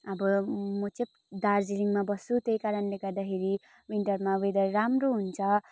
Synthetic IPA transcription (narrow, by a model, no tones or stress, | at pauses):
ʌbʌmʌt͡sʌ̃ | d̪ard͡ziliŋmabʌsut̪ejkaɾʌnleɡʌrd̪akʰeɾi | wiɳʈʌrmawed̪ʌramroɦunt͡sʰʌ